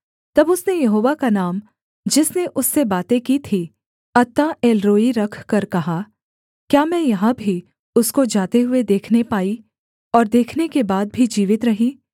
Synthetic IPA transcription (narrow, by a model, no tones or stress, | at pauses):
t̪ɐbʊsnejɐɦoːʋakanaːm | d͡ʒɪsneʔʊsːebaːt̪ẽkit̪ʰi | ɐt̪ːãeːlɾoːiɾɐkʰkɐɾkɐɦa | kjaːmɛ̃jɐɦãbʱi | ʊskod͡ʒaːt̪eɦʊed̪eːkʰnepaːi | ɔːɾd̪eːkʰnekebaːd̪̚bʱid͡ʒiːʋɪt̪ɾɐɦiː